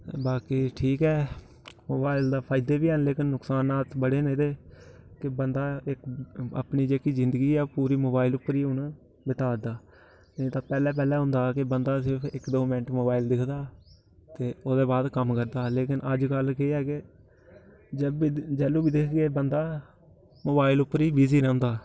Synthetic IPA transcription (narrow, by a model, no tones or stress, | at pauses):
baːkiːʈʰiːkɛː | moːbaːɪld̪aːpʰaːɪd̪eːbiːənleːkɪnːʊksaːnaːt̪bəɽeːnẽd̪eːkɪbənd̪aːɪkə̰pniːd͡ʒeːkiːzɪnd̪əɡiːɛːpuːɾiːmoːbaːɪlʊpːəɾiːʊnː | bɪt̪aːd̪aː | net̪aːpɛːlɛːp̬ɛːlɛːɦʊ̃nd̪aːkɪbənd̪aːsɪɾpʰɪkd̪oːmɪɳʈmoːbaːɪld̪ɪkʰd̪aː | t̪eːoːd̪eːbaːd̪kəmkəɾd̪aːleːkɪnʔəd͡ʒkəlkeɛːke | d͡ʒbid͡ʒɛːlũːbiːd̪ɪkʰɡeːbənd̪aː | moːbaːɪlʊpːəɾiːbiːziːɾɛ̃ːnd̪aː